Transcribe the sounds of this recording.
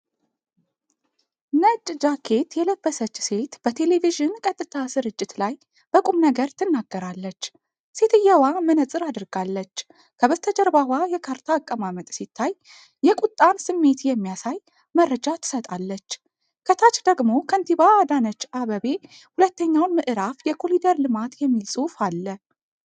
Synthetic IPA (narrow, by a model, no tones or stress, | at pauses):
nət͡ʃʼːd͡ʒakʰe̞t̪jɛləbːəsət͡ʃːse̞t̪b̥ət̪ʰe̞le̞viʒɨnkʼət̪ʼːɨt̪ʰasɨɾɨt͡ʃʼːɪt̪laj | b̥əkʼumnəɡəɾt̪ʰɨnːaɡːəɾalːət͡ʃː | se̞t̪ɨjːɛwamənəsʼɨɾad̪ɨɾɡalːət͡ʃː | kʰəβəst̪ʰəd͡ʒəɾbahwajɛkʰaɾt̪ʰaːkʼːəmamət̪ʼsit̪ʰːaj | jɛkʼut̪ʼːansɨmːe̞t̪jɛmːijasaj | mərːəd͡ʒat̪ʰɨ̥sət̪ʼalːət͡ʃː | kʰət̪ʰat͡ʃd̪əɡmo̞kʰənt̪ʰiβaːd̪anət͡ʃːaβəβe̞ | hulət̪ːəɲːawnmɨʔɨɾafjɛkʰolid̪əɾlɨmat̪jɛmːilsʼufalːə